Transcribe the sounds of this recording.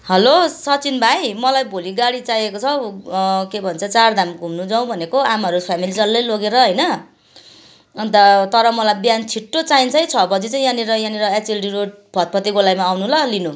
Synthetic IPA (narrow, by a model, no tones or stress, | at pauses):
hʌlosʌt͡sinbʱajmʌlajbʱoliɡaɽit͡sajekot͡sʰʌ | kebʱʌnt͡sʰʌt͡sard̪ʱamɡʱumnud͡zaw̃bʱʌnekoamʌɾupʰamilid͡zʌlːʌjloɡeɾʌɦʌjnʌ | d̪ʌt̪ʌɾʌmʌlajbjant͡sʰiʈːot͡saint͡sʰʌjt͡sʰʌbʌd͡zit͡saij̃janeɾʌjãneɾʌet͡silʈiɾoɖ̚ | bʱʌt̪̚pʌt̪iɡolajmaːwnulʌlinu